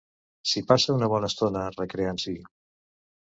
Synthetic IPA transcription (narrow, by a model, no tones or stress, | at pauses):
sipasəunəβ̞ɔnəst̪onərəkɾeansi